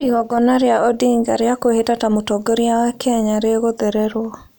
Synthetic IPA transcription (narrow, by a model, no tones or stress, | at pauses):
iɣɔɡɔnaɾjaʔɔdiŋɡaɾjakohetatamotɔɡoɾjawakʰɛɲaɾeɣod̪ɛɾɛɾwɔ